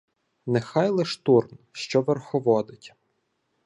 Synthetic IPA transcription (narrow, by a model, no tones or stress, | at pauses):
nexɑjlˠɛʃt̪urnʃt͡ʃɔʋerxɔʋɔd̪ɪtʲ